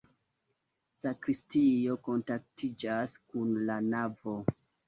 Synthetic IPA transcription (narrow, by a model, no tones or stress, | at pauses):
sakɾistijo̞ko̞ntak̚tʰid͡ʒaskunlanavo̞